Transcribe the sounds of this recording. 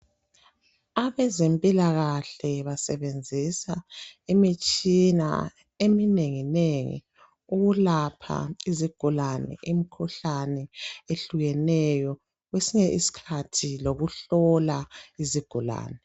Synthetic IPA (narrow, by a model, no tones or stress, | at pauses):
aβɛzempʼilaɣaɬɛβasɛβend͡zʱisaemit͡ʃʼina̰ | emineŋineŋḭ | uɣulapʰa̰iziɡ̥ʱulanɛ̰ʔimikʰuɬanɛeɬuɣɛnɛjɔ | ɣwesiɲɛʔisi̥kʰatʰiloɣuɬɔlaiziɡ̥ʱula̰ːnɛ